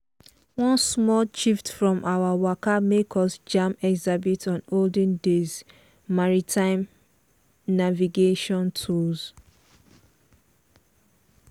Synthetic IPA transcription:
wɔ̃nsmɔlt͡ʃiftfɹɔ̃mʔawawakamekʰɔsd͡ʒãmɛɡzabitʰɔ̃noldə̃ndez | maɹitʰãɪ̃m | naviɡeʃɔ̃ntʰuz̥

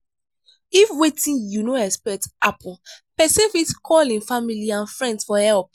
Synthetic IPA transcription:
ifwetʰĩnjunoɛkspɛk̚tapʰɔpɛsefitkʰɔlĩnfamiliãnfɹɛ̃ndsfɔhɛlp̚

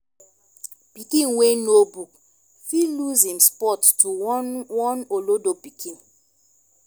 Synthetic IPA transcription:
pikĩnwenobuk̚ | filuzĩmspɔttuwɔnolodopikʰĩn

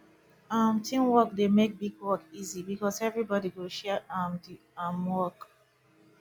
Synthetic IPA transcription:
amtʰĩmwɔkdemek̚biɡwɔkizibikɔsɛvɹibɔdiɡoʃɛamdi | amwɔk

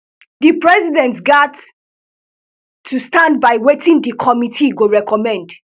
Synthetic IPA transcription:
dipɹɛzidɛ̃ntsɡat | ustãnd̚baɪwetĩndikʰɔmitʰiɡoɹɛkʰɔmɛ̃nd

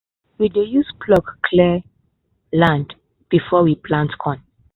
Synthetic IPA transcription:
widejuskʰlɔkkʰlɛ | lãnd | b̥ifɔwipʰlãntkʰɔ̃n

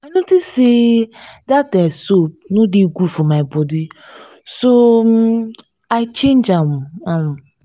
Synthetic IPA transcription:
anõtisedat̚ɛsop̚nʊdiɡʷufɔmaɪbɔdi | so | aɪt͡ʃẽnd͡ʒam̩am̩

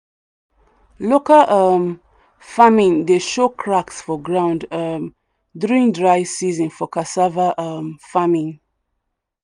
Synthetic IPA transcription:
lokəʔʌm | famĩŋdeʃokʰɹaksfɔɡɹãʊ̃ndʌm | duɹĩŋdɹaɪsizə̃nfɔkasavaʔʌmfamĩŋ

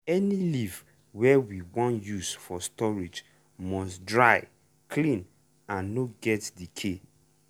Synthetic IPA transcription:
ɛniliv | wɛwiwɔ̃njusfɔstɔɹid͡ʒ | mɔsdɹaɪ | kʰlĩn | ãnːoɡɛtdikʰe

